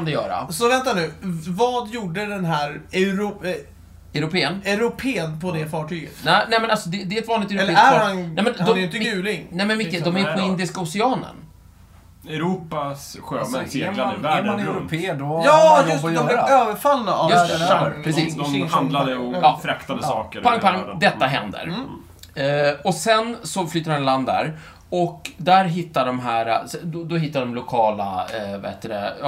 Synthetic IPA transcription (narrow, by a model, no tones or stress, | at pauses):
kand̪ɛjœ̰ːɾa̰sɔvɛnt̪anʉ̟ːvɑːd̪juːɖəd̪ɛnɦæːɾɛɾ | ɛɾʊpʰeːənɛɾʊpʰeːənpʰɔd̪ɛfɑːʈʰyːɡə̰t̪ɛnɛmɛnalsɔd̪ɛd̪ɛːɛt̪vɑːnɪt̪ɛɾɛlːæɾhanɛmɛndaɔd̪ɪnʉ̟ːlɪŋnɛmɛnmɪkːədd̪ɔmæjpʰɔɪnd̪ɪskaʊsɛɑːnə̰n | ɛɾuːpasɧøːɛselavæɖmanɛɛɾʊpʰeːəɖɔjːjd̪ɔɾøːvəɾfalːaajɵsʰɾɛsiːsd̪ɔhand̪lad̪əɔɑːfɾakt̪ad̪əsɑːkəɾpʰaŋkpaŋd̪ɛt̪ːaɦɛnd̪ə̰ɾ | ɔsɛnsɔflyːt̪aɾanland̪æ̰ɾ | ɔkd̪æɾɦɪt̪ːaɖɔmɦæːɾasɛd̪ɔd̪ɔɦɪt̪ːaɖɔmlʊkʰɑːla̰va̰hḛːt̪ːəd̪ɛ